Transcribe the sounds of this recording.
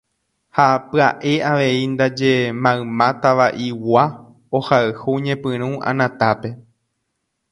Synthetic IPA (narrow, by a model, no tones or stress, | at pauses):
hapɨaʔe̞aʋe̞ind̪ad͡ʒe̞mãɨ̃mãt̪aʋaʔiwa | ohaɨhuɲẽpɨ̃ɾ̃ũã̰nãt̪ape̞